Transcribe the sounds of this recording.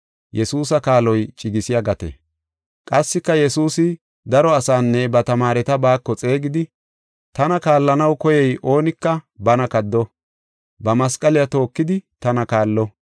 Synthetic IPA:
jɛsuːs̬ɐkaːlɔjt͡ʃʼɪɡɪsɪjɐɡɐt̪ḛ | kʼɐsːɪkːɐjɛsuːsɪ | d̪ɐɾɔɐsaːnːɛbɐt̪ɐmaːɾɛt̪ɐbaːkːɔt͡sʼe̞ːɡɪd̪ɪ | t̪ɐnɐkaːlːɐnɐwkɔjɛjʔo̞ːnɪkːɐbɐnɐkɐd̪ːɔ | bɐmɐskʼɐlɪjɐt̪o̞ːkːɪd̪ɪt̪ɐnɐkaːlːɔ

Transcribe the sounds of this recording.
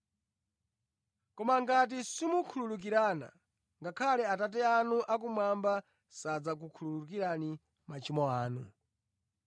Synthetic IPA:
kɔmaŋɡat̬isimukʰululuk̬iɾana̰ | ŋɡakʰalɛatat̬ɛanuʔak̬umwamba | sad͡zak̬ukʰululuk̬iɾani | mat͡ʃimɔaːnu

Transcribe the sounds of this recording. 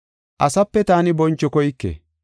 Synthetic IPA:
ʔɐsɐpːɛt̪aːnɪbɔnt͡ʃːɔkɔjkːḛ

